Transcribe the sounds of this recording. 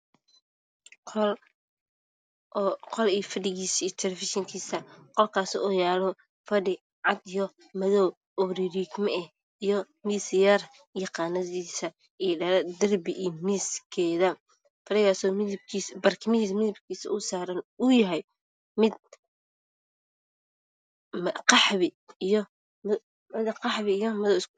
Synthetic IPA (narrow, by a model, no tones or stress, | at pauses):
qɔliːfɐɖɪɣiːsit̪ʰɛlɛfɪʃɪŋkʰiːsɐqɔlkʰaːsɪɔjaːlɔ | fɐɖɪ | ʕɑd̪ijɔ | mɐðɔw | ɔɾiɾiɡmɛɛ | ijɔ | miːsjɐr | jɑqɑːnɐðiːsɐ | iɖɐɾɐd̪ɐrbɪʔiːmiskʰɛːðɐ | fɐɖɪɣaːsɔːmɪðɪb̚kʰiːsbɐrkʰɪmɪðismɪðɪbkʰiːsɐ̰ʔʊsaːɾɐnʊjɐɦɛj | mɪd̪̚ | mqɑħβɪː | jɔ | mɪd̪qɑħβɪijɔmɐðɔws